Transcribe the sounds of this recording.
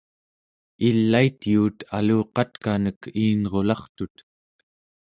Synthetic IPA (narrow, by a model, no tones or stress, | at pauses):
ilːait̪juːt̪ʰa̰luːqɑt̪kanəkʰiːnʁo̞lɑχt̪ut̪